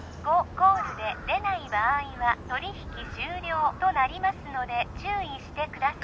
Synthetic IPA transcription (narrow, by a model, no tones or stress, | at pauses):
ɡo̞ko̞ːzɨd̪e̞d̪e̞naibaiβat̪o̞ɾʲiçi̥kʲiɕɨːɾʲo̞ːt̪o̞naɾʲimasɨno̞d̪e̞t͡ɕɨːiɕi̥t̪e̞kɯ̟d̪as